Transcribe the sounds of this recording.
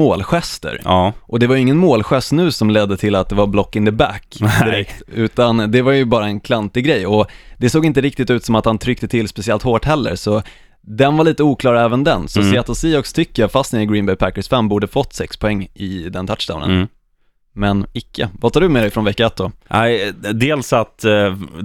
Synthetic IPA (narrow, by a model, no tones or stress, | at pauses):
moːlɧɛst̪ə̰ɾʔɔd̪ɛvajʏɪŋːənmoːlɧɛst̪nʉ̟ːsɔmlɛd̪ːət̪ʰɪlat̪̚d̪ɛvaɾblɔkːɪŋd̪əbæk̪ːɪɾɛkt̪ʉ̟ːt̪and̪ɛvaɾjɵbɑːɾaɛnkʰlant̪ɪɡɾɛjɔd̪ɛsoːɡɪnt̪̬əɾɪk̚t̪ɪt̪ʉ̟ːt̪sɔmat̪hant̪ʰɾʏk̚t̪ət̪ʰɪlːspɛsɪɛlt̪hoːʈhɛlːə̰ɾsɔ | d̪ɛnvaɭiːt̪əuːkʰlɑːɾɛːvənd̪ɛnsɔsɛːat̪ʊsiːɔkst̪ʰʏkːəjafast̪nəɾɪɡɾiːnbɛjpʰækːəsfɛmːbuːɖəfɔt̪ːsɛkspʰɔɛŋːɪd̪ɛnt̪ʰaʈʂd̪a̰ʊnə̰nn | mɛnɪkʰːəvat̪ʰɑːɖɵmeːɾɛfɾɔnvɛkːaɛt̪̚d̪ɔnæɪd̪eːlsat̪